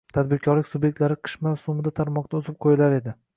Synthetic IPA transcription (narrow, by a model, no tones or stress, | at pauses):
t̪ʰad̪̚bɪɾkʲʰɒɾlɪkʲsʊbje̞k̚ʲt̪laɾɪqʰɨ̥ʃmasʊmɪd̪at̪ʰaɾmɒq̚t̪aʊzɪp̚qʰojɪlaɾe̞d̪ɪ